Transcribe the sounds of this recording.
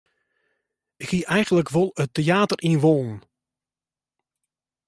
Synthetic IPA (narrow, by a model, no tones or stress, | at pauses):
ɪkhiʔɛjɣənləkʋolˠətːeaːtərʔinʋoːlˠn̩